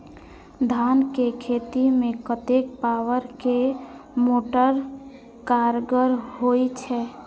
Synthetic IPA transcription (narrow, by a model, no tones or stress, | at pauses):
d̪ʱankekʰet̪imekət̪ek̚pawəɾkemoʈəɾ | kaɾɡəɾɦojt͡ʃʰɛ